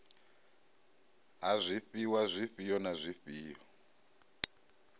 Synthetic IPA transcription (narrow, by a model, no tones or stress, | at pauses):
ɦazʷifiwazʷifijɔnazʷifiːjɔ